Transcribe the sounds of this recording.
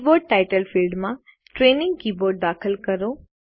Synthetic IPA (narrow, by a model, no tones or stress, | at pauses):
boːɖ̚ʈaːɪʈəlfilɖmã | ʈɾeːnɪ̃ŋɡ̚kiːboːɾɖ̚d̪aːkʰəlkəɾoː